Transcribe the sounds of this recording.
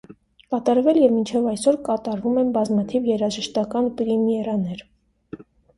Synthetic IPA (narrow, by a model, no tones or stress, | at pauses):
kɑt̪ɑɾvɛljɛvmint͡ʃʰɛvɑjsɔɾkɑt̪ɑɾvumɛnbɑzmɑt̪ʰivjɛɾɑʒəʃt̪ɑkɑnpɾimiɛɾɑnɛɾ